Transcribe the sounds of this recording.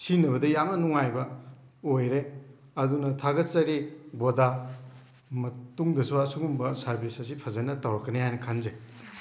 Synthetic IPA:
sinɐbβɐdɐjamɐnɔŋajbɐojɾe | ɐdunɐtʰaɡɐt͡ʃɐɾiboda | mɐtuŋdɐsuwasuɡumbɐsɐɾbisɐsipʰɐzɐnɐtɐwɾɐkːɐnehajnɐkʰanze

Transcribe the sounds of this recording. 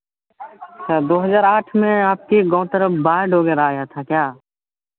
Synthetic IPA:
ətʃʰaːd̪oːɦəzaːɾaːʈʰmẽaːp̚keɡɔ̃ːt̪əɾəpbaːɦɖʱoːɡeɾaːjat̪ʰaːkjaː

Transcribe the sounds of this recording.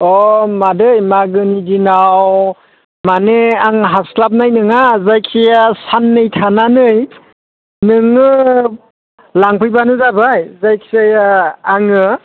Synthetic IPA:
ɔmadɯjmaɡɯnidinaw | maneaŋɦaslap̬̚najnɯŋazajkʰsajasanːɯjtʰananɯj | nɯŋɯ | laŋpʰɯjbanɯzabajzajkʰsajaːŋɯ

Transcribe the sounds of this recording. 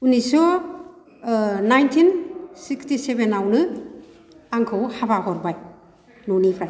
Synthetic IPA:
unisɔ | najntʰinsikstisebenawnɯ | aŋkʰɯwhabahɔɾbaj | nɔnipʰɾa

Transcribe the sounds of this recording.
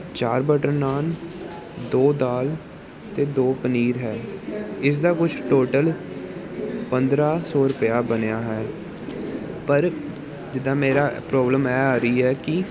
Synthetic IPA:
t͡ʃaːɾbəʈəɾnaːl | d̪oːd̪aːl | t̪eːd̪oːpəniːɾɦɛːɪs̬d̪aːkʊt͡ʃʰʈoːʈəl | pənd̪ɾaːsɔːɾʊpjaːbənejaːɦɛː | pəɾ | d͡ʒɪd̪ãːmeːɾaːpɾɔːbləmɛːaːɾəiːɦɛːkɪ

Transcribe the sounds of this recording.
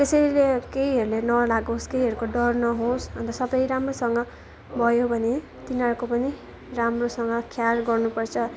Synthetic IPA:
t̪esʌjlekeiɦʌɾulenʌlaɡõskeiɦʌɾukoɖʌrnʌɦõsɦʌnt̪ʌsʌbʌjɾamrosʌŋɡʌ | bʱʌjobʱʌne | t̪inʌɾkopʌni | ramrosʌŋɡʌkʰjarɡʌrnupʌrt͡sʰʌ

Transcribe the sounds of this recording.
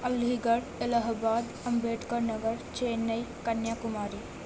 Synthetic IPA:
ɐlɦiɡəɽelaɦbaːd̪ | ɐmbeːʈkəɾnɐɡəɾt͡ʃeːnːəjkɐnjakumaːɾi

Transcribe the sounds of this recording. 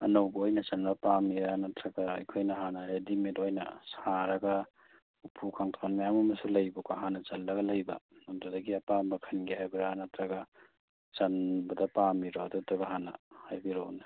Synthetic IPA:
ɐnɐwbojnɐt͡ʃɐnbɐpamiɾanɐtɾɐɡaːjkʰojnɐɦanɐɾedimetojnɐ̰saɾɐɡɐ | upʰukʰaŋtʰaknmajamɐmɐsulɐjbukaɦanːɐt͡ʃɐlːɐɡɐlɐjbɐ̰nondudɐɡiɐpambɐkʰɐnɡihajbiɾanɐtɾɐɡɐ | t͡ʃɐnbɐdɐpamiɾodutɐɡɐɦanɐ̰hajbiɾowna

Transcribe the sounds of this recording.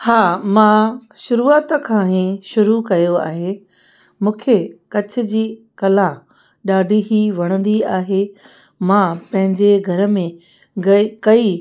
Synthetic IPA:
haːmãʃʊɾuːaːt̪kʰãːɦĩʃʊɾukɐjoa̰ːɦe | mũːkʰekɐt͡ɕʰʊ̆d͡ʑiː | kɐlã | ɗaːɖʱiɦiʋɐɽ̃ə̃nd̪iaːɦe | mãpɐ̃ɦɪ̃ɲd͡ʑeɡʱɐɾə̆mẽ | ɡɐkɐi

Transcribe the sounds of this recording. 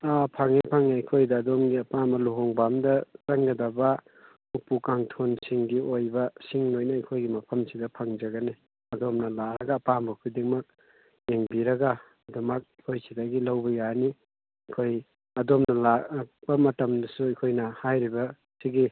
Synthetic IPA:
apʰaŋepʰaŋnaɐkʰojdɐːdomɡiɐpambɐluɦoŋbamdɐsaŋɡɐdɐbɐ | upukaŋtʰonsiŋɡiojbɐsiŋnojnɐɐkʰojɡimɐpʰɐmsidɐpʰaŋd͡ʒɐɡɐni | ɐdomnɐlaɾɐɡɐːpambɐkʰudeŋmɐk̚ | eŋbiɾɐɡa | ɐdumɐk̚ikʰojsidaɡilɐwbɐjani | ɐkʰoj | ɐdomnɐlakk̚b̥ɐmɐtɐmdɐsuɐkʰojnɐhajɾibɐ | siɡi

